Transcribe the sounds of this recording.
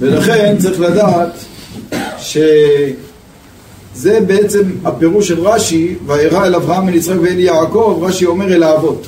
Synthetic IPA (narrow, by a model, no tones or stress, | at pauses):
velaχe̞nt͡saʁiχladaat̪ | ʃe̞ | ze̞beet͡se̞mape̞ʁuʃelʁaʃivaeʁaelavʁaamenit͡sʁaekveeljaːko̞vʁaʃio̞meʁelaːvo̞t